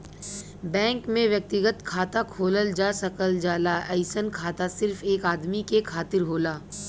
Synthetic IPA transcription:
bɛ̃ːŋkmẽʋjɐk̚t̪ɪɡət̪kʰaːt̪akʰoːləld͡ʒaːsɐkəld͡ʒaːlaʔɛɪsənkʰaːt̪asɪɾfeːkaːd̪mikekʰaːt̪ɪɾɦoːlaː

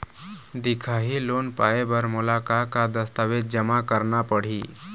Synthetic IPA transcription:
d̪ɪkʰaːɦiloːnpaːebəɾmʊlakakad̪əst̪aʋeːd̪̚d͡ʒəmakəɾnapəɽ̤iː

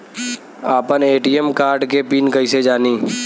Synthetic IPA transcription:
aːpəneːʈiːəmkaːɾɖkepiːnkəised͡ʒaːniː

